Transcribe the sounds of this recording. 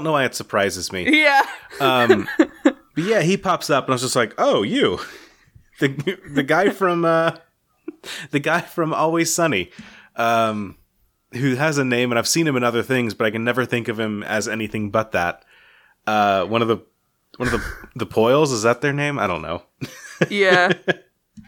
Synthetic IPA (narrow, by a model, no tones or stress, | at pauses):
õʊ̃nowaɪɨtsə˞pʰɹ̥aɪzɨzmijæʌ̃m | b̥ʌt̚jæɦipʰɑpsʌpə̃naɪmzd͡ʒʌstlaɪkoʊjʉ | ðɨðɨɡaɪfɹʌ̃mʌ | ðɨɡaɪfɹʌ̃mɔ̰lˠwiz̥sʌniʔʌ̃m | hʉɨzɨnẽɪ̃mɨ̃ñaɪv̥sĩnɨ̃mɨ̃nʌðə˞θɪ̃ŋzbʌɾaɪkɨ̃nːɛvə˞θɪ̃ŋkʌv̥ɨ̃mɨ̰zɛniθɪ̃ŋbʌt̪̚ðæ̰t̚ | ʌwʌ̃nʌvðə | wʌ̃nʌvðəðəpʰɔɪlˠzəzðɨt̪̚ðə˞nẽɪ̃maɪɾõʊ̃nːo̰ʊ | jæ